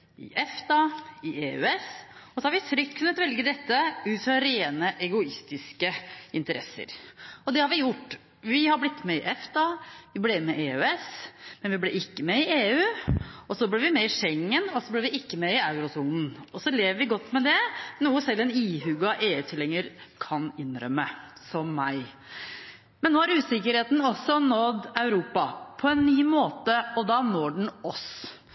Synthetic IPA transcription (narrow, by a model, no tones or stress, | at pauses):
ɪ̰ʔɛft̪ɑɪʔeːʉ̰ɛsɔsɔhɑɾʋɪt̪ʰɾʏk̚t̪̚kʰʉnːət̪ʋɛlɡəd̪ɛt̪ːəʉːt̪sɑɾeːnəʔɛɡʊɪst̪ɪskəɪnt̪əɾʔɛ̰sːə̰ɾɔd̪ɛhɑɾʋɪjʊʈː | ʋɪhɑɾblɪt̪ːmɛɪʔɛft̪ɑʋɪblɛmɛʔeːʉɛsmɛnʋɪblɛ̰ʔɪkːəmɛɪʔeːʉːɔsɔblɪɾʋɪmɛɪʂɛŋːənɔsɔblɛːɾʋɪɪkːəmɛɪɑʉɾʊsuːnn̩ɔsɔleːʋəɾʋɪɡɔt̪ːmɛd̪ɛnuːəsɛlːɛniːɦʉɡɑʔeːʉːt̪ʰɪlːɛŋːəɾkʰɑnɪnɾœ̰mːəsɔmːæɪ | mɛnːoːhɑɾʉːsɪkːəɾheːt̪n̩ɔsːɔnɔd̪ːɑʉɾuːpɑpʰɔɛnːyːmoːt̪əɔd̪ɑnoːɖɳ̩ɔs